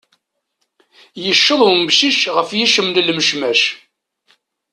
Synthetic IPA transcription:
jəʃːəðˤwmbʃiʃʁəfjiʃəmnlməʃmæʃ

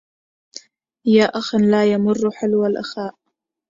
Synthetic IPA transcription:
jaːʔaxanlaːjamʊrːʊħalwalʔa̰xaːʔ

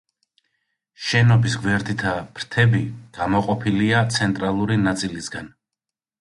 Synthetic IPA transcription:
ʃɛnɔbisɡwɛɾd̪it̪ʰab̥ɾt̪ʰɛbiɡ̥amɔqʼɔpʰiliat̪sʰɛnt̪ʼɾalˠuɾinat̪sʼilisɡan

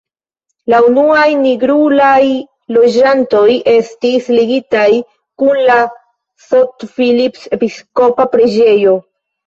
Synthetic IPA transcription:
launuajniɡɾulaj | lo̞d͡ʒanto̞jʔe̞stisliɡitaj | kunla | sotfilipse̞pisko̞papɾe̞d͡ʒe̞jo̞

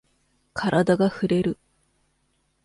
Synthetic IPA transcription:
kʰaɾʔad̪aɡaɸɯ̟ɾe̞ɾɯ̟

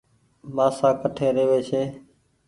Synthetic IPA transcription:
maːsãːkəʈʰeːɾeːʋeːt͡ʃʰeː

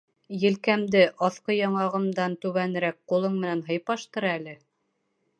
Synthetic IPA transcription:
jɘ̆lkæmd̪ɘʔɑθqɤjɑɴɑʁɤ̆md̪ɑnt̪ʉβænɘ̆ɾæk̚qulˠɤɴmɘ̆nænɦɤ̆jpɑʃt̪ɤɾælɘ

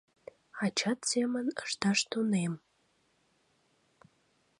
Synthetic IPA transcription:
ɑt͡ɕɑt̪semənə̰ʃt̪ɑʃt̪onem

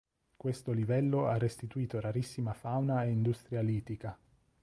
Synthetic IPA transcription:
kwest̪olivɛlːoarːest̪it̪uiːt̪oɾaɾisːimafawnaeind̪ust̪ɾjaliːt̪ika

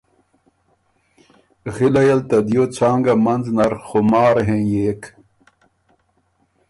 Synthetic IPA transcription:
ɣilɐjɐlt̪ɐd̪joːt͡sʰaːŋɡɐmɐnznɐɾxomaːɾɦẽːjeːk

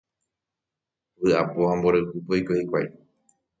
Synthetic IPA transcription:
βɨapohãmboɾawpɨpoikohikʷa̰i

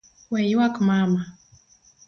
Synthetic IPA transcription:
wɛjwakmama

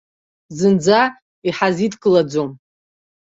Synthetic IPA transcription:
zɨnd͡za | iħazitkʼɨlad͡zom

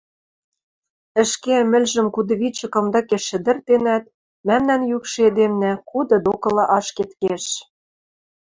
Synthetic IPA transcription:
ɘ̆ʃkemɘ̆lʲʒɘ̆mkud̪ɤ̆βit͡ɕɤ̆kɤ̆md̪ɤkeʃɘ̆d̪ɘ̆rt̪enæt̪̚ | mæmnænjykʃed̪emnækud̪ɤ̆d̪okɤ̆lɑʔɑʃket̪keʃ

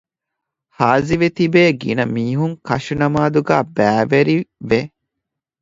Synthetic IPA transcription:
haːziʋet̪ibeːɡḭnɐmiːɦuŋkɐʃunɐmaːd̪uɡæːbæːʋeɾiʋe

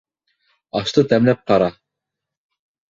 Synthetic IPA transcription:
ɑʃt̪ɤt̪æmlæp̚qɑɾɑ

